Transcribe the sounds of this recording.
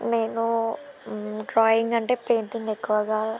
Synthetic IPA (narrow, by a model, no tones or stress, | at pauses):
ne̞ːnu | ɖɾaːjiŋɡɐɳʈe̞ːpe̞ːnt̪iŋɡekːuʋɐɡaː